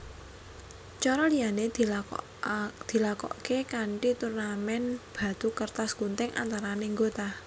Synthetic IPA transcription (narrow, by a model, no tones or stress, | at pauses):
t͡ʃɔɾɔlijane | d̪̥i̤lakɔ̰ʔkekaɳʈit̪urnamɛnb̥a̤t̪ukərt̪askunt̪ɪŋʔa̰nt̪aɾaneŋɡot̪a